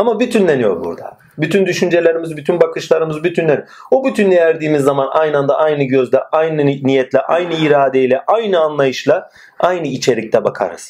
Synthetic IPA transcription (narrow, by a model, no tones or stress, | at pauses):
amabyt̪ʰynlenijo̞̰ɾbṵɾd̪a̰ | byt̪ʰynd̪yʃynd͡ʒe̞lʲeɾimizbyt̪ʰynbakɯʃlˠaɾɯmɯzbyt̪ʰynlʲeni | obyt̪ʰynd̪ejæɾd̪iːmizːamanʔajnand̪a̰ʔajnɯɟø̞zlʲɛʔajnɯnijɛt̪lʲɛʔa̰jnɯiɾaːd̪ejlʲɛʔajnɯanlˠajɯʃlˠa | ajnɯit͡ʃʰe̞ɾic̚t̪ʰɛbakʰa̰ɾɯ̰z̥